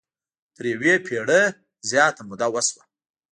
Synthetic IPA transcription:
t̪əɾjawepʰeɽə | zjɑt̪amʊd̪awəswa

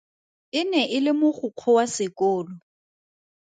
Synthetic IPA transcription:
ɪnɛʔɪlɪmʊχʊq͡χʰɔwasɪkʼɔːlɔ

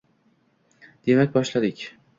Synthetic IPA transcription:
d̪̥e̞mak̚ʲbɒʃlad̪ɪkʲ

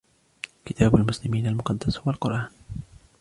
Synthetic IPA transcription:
kɪt̪ʰaːbalmʊslɪmiːnalmʊqɑd̪ːashwalqʊɾʔaːn

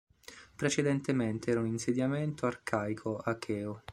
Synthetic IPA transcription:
pɾet͡ʃed̪ent̪ement̪eɛːɾauninsed̪jament̪oarkʰajkʰoakʰɛːo

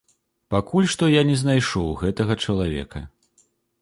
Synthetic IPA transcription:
pakʰulʲʂt̪ɔjanʲɛznajʂɔwɣɛt̪ɐɣɐt͡ʂɐlˠavʲɛ̰kɐ

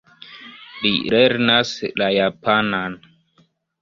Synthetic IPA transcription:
lḭleɾnaslajapanan

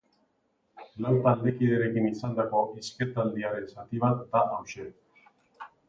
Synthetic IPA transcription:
lawt̪ald̪ekiðeɾe̞kinisand̪ako̞ʔisket̪ald̪iaɾe̞nsat̪iβat̪d̪aʔawʃe

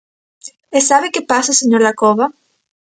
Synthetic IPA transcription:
esaβekepasaseɲoɾlakoβa

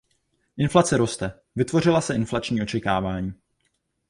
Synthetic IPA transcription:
ʔɪnflat͡sɛɾo̞st̪ɛ | vɪt̪vo̞rɪlasɛʔɪnflat͡ʃɲiːo̞t͡ʃɛkaːvaːɲiː

